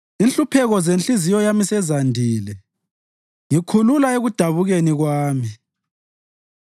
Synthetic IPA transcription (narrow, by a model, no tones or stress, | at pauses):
inɬupʰɛɣɔzent͡ɬizijɔjamisɛzandʱiːlɛ | ŋikʰululaeɣud̥ʱaβuɣeniɣwaːmi